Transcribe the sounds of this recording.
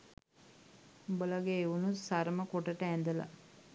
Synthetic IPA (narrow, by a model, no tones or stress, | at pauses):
bəlaɡeːʋunusaɾməkoʈəʈəɛnd̪əla̰